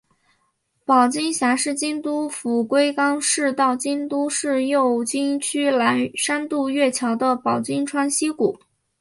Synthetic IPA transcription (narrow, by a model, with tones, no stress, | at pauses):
pɑ˨˩ʊt͡ɕi˥ŋɕja˧˥ʂɻ̩˥˩t͡ɕi˥ŋt̪u˥fu˨˩kwe˥ɪkɑ˥ŋʂɻ̩˥˧t̪ɑ˥˩ʊt͡ɕi˥nt̪u˥ʂɻ̩˥˧jo˥˩˧ʊt͡ɕi˥ŋt͡ɕʰy˥la˧˥nʂa˥nt̪u˥˧ɥɛ˥˩t͡ɕʰjɑ˧˥ʊd̪ə˧pɑ˨˩ʊt͡ɕi˥ŋʈ͡ʂʰwa˥nɕi˥ku˨˩˦